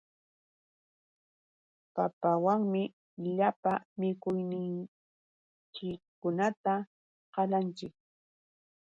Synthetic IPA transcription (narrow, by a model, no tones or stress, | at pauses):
papawaŋmɪ | ʎapamɪkʊjnɪŋ | t͡ʃɪkː | ʊnat̪a | qɑlant͡ʃɪk̚